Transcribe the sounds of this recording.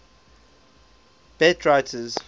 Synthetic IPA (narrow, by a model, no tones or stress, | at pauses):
b̥ɛtʰɹaɪtʰəz